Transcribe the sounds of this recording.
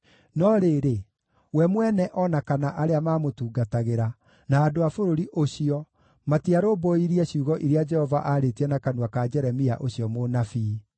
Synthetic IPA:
nɔɾeɾe | wɛmwɛnɛʔɔnakanaʔaɾeamamotuːɡataɣeɾa | naːdoafoɾoɾiʔoɕiɔ | matiaɾoboiɾiɛɕuːɣɔʔiɾead͡ʒɛhɔvaʔaɾetiɛnakanwakad͡ʒɛɾɛmia̰ʔoɕijɔmonafi

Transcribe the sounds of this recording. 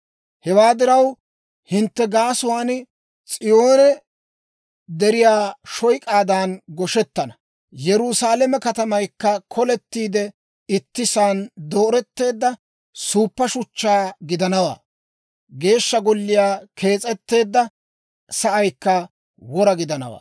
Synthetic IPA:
hɛwaːd̪ɪɾɐw | hɪnt̪ːɛɡaːsʊwaːn | t͡sʼɪjo̞ːnɛ | d̪ɛɾɪjaːʃɔjkʼaːd̪aːnɡɔʃɛt̪ːɐnɐ | jɛɾʊsaːlɛmɛkɐt̪ɐmɐjkːɐkʰɔlɛt̪ːiːd̪ɛ | ɪt̪ːɪsaːnd̪o̞ːɾɛt̪ːe̞ːd̪ːɐ | suːpːɐʃʊt͡ʃːaːɡɪd̪ɐnɐwa̰ː | ɡe̞ːʃːɐɡɔlːɪjaːkʰe̞ːt͡sʼɛt̪ːe̞ːd̪ːɐ | sɐʔɐjkːɐ | wɔɾɐɡɪd̪ɐnɐ̰wa̰ː

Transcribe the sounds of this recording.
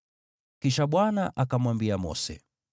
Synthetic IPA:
kiʃaɓwanaʔakamwambiamɔ̰sɛ̰

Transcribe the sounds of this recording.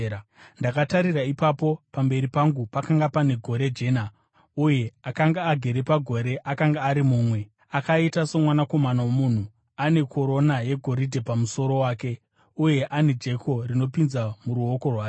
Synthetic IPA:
ndakataɾiraipapo̞pambe̞ɾipaŋɡupakaŋɡapane̞ɡʱo̞ɾe̞d͡ʒe̞ːna | uje̞akaŋɡaːɡʱe̞ɾepaɡʱo̞ɾe̞ʔakaŋɡaːɾimuːmwe̞ | akaitaso̞mwanako̞manawomuːn̤u | ane̞kʰo̞ɾo̞naje̞ɡʱo̞ɾidʱe̞pamuso̞ɾo̞waːke̞ | uje̞ʔane̞d͡ʒe̞ko̞rino̞pinzamuɾuo̞ko̞rwaːe

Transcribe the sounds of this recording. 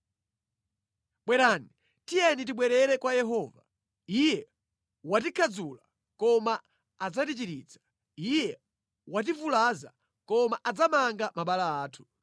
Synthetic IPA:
ɓwɛɾani | tijɛnit̬iɓwɛɾɛɾɛkwajɛɦɔːva | ijɛ | wat̬ikʰad͡zula | kɔmaː | d͡zatit͡ʃiɾit͡sʰḁ | ijɛ | wat̬ivulaza̰ | kɔmaʔad͡zamaŋɡamaɓalaaːtʰu̥

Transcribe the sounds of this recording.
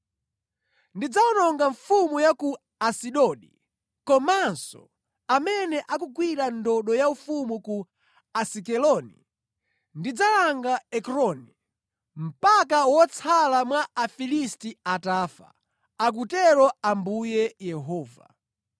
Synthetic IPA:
ndid͡zaɔnɔŋɡaɱfumujaku | asiɗɔɗḭ | kɔmansɔ̰ | amɛnɛʔakukwiɾandɔɗɔjaufumuku | asikɛlɔnḭ | ndid͡zalaŋɡaɛkɾɔni | m̩pakawɔt͡sʰalamwaafilistiataːfa̰ | ak̬utɛɾɔambujɛjɛɦɔːva̰

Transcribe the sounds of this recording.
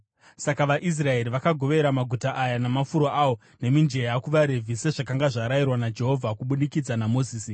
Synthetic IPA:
sakaʋaʔis̬rae̞ɾiʋakaɡʱo̞ʋe̞ɾamaɡʱutaʔajanamafuɾoʔaːwo̞ | ne̞mind͡ʒe̞jakuʋaɾevʱiseʐakaŋɡaʐaɾajirwanad͡ʒe̞ɦo̞vʱakuɓunikid͡zanamo̞ziːsi

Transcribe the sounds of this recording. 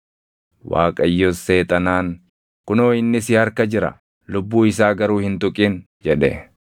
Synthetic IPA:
wa̰ːkʼɐjːɔsːe̞ːt̪ʼɐnaːŋ | kʊnoːɪnːɪsɪhɐɾkɐd͡ʒɪɾɐ̰ | lʊbːuːɪs̬aːɡɐɾuːhɪnt̪ʊkʼiːn | d͡ʒɛᶑɛ̰

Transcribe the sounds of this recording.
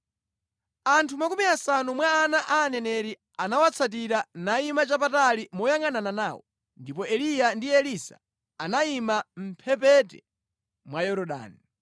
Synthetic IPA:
antʰumakumiasanumwaːnaʔaːnɛnɛɾi | anawat͡sʰat̬iɾanaimat͡ʃap̬atalimɔjaŋanananaːwɔ̰ | ndipɔɛlijandiɛlisa | anaimam̩pʰɛpɛtɛ̰ | mwajɔɾɔɗa̰ːni

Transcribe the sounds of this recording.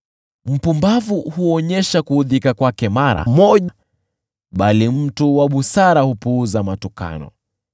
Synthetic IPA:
m̩pumbavuhuɔɲɛʃakuhuðikakwakɛmaɾa̰mɔʄa | ɓalim̩tuwaɓusaɾahupuuzamatuka̰nɔ̰

